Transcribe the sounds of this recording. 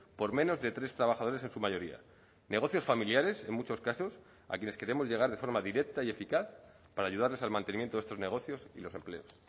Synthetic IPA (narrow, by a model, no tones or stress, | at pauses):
po̞ɾmẽ̞no̞zðe̞t̪ɾe̞st̪ɾaβaxað̞o̞ɾe̞se̞nsumaʝo̞ɾia̰ | ne̞ɣ̞o̞θjo̞sfamiljaɾe̞se̞nmut͡ʃo̞skaso̞s | a̰kjene̞ske̞ɾe̞mo̞zʝe̞ɣ̞aɾð̞e̞fo̞ɾmaðiɾe̞k̚t̪aie̞fikaθ | paɾaːʝuð̞aɾle̞salmãnt̪eimjent̪oest̪ozne̞ɣ̞o̞θjo̞silo̞se̞mple̞̰o̞s